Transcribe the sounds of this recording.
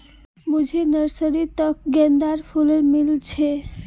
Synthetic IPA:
mud͡ʒʱenəɾsəɾit̪ək̚ɡɛnd̪aɾpʰuləɾmilt͡ʃʰe

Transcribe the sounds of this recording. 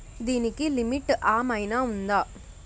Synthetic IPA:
d̪inikːilɪmɪʈːʔaːmɐjnaːʊnd̪aː

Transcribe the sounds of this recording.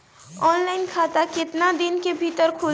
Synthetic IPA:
ɔnlaɪnkʰat̪aket̪nad̪inkebʱit̪əɾkʰu

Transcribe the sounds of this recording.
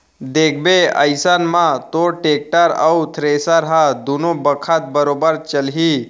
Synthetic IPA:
d̪eːkʰbeə̰jsaːnmãt̪oʈeːk̚ʈaɾəut̪ʰɾeːsaɾɦad̪uːnobəkʰat̪̚bəɾoːbəɾt͡ʃəlɦi

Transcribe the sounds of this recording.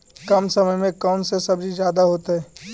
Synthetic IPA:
kɐmsəməjmẽkɔːnsesɐbd͡ʒʱid͡ʒjaːd̪aɦoːt̪eɦɛː

